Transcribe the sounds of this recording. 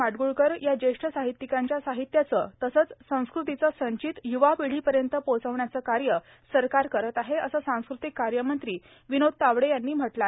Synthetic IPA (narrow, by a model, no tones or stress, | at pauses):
aʈɡuɭkəɾjad͡ʑeʂʈʰəsaɦit̪ːikãɲt͡ɕjasaɦit̪jat͡sət̪əsət͡ssə̃w̃skɾut̪it͡səsə̃ɲt͡ɕit̪juʋapiɽ̤iːpəɾjənt̪əpot͡səʋɳjat͡səːkaɾjə | səɾkaɾkəɾət̪aɦeəsasãw̃skɾut̪ikːaɾjəmənt̪ɾiː | ʋinod̪̚t̪aʋɽejanːiːm̤əʈla